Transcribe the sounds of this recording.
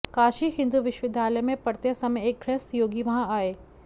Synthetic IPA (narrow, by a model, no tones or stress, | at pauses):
kaːʃiɦɪ̃nd̪uʋɪʃʋɪd̪ʱaːləjmẽpɐɾt̪jəsɐmẽeːk̚ɡʰɾest̪joːɡiʋɐɦãaːeː